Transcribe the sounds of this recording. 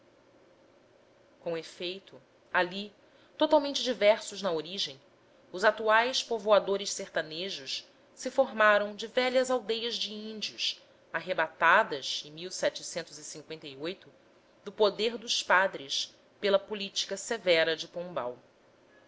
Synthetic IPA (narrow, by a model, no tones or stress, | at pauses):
kõefejt̪ʊ | ali | t̪ot̪awmẽnt͡ʃɪd͡ʒivɛɾsʊʒnɐoɾiʒẽj̃ | ʊzat̪uajspovoad̪oɾɪʃseɾt̪aneʒʊʃ | sɪfoɾmaɾɐ̃w̃d͡ʒɪvɛʎɐzawd̪ejɐzd͡ʒɪĩnd͡ʒiʊʃ | aɦebat̪ad̪ɐzẽmiwsɛt͡ʃɪsẽnt̪ʊzisĩŋkwẽnt̪ɐiojt̪ʊ | d̪ʊpod̪eɾd̪ʊʃpad̪ɾɪʃ | pelɐpulit͡ʃi̥kɐsevɛɾɐd͡ʒɪpõba̰w